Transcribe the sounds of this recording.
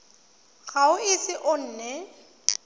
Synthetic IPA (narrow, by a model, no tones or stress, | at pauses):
ɣaʊɪsɪʔʊn̩ːnɛ